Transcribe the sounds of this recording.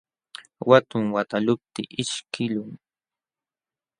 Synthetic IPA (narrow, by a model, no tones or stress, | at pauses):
wat̪ʊŋwat̪alʊp̚t̪ɪʔɪʃkɪlʊŋ